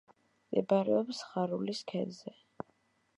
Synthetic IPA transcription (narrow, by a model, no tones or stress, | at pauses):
mʼɛbaɾɛɔpsχaɾuliskʰɛnzɛ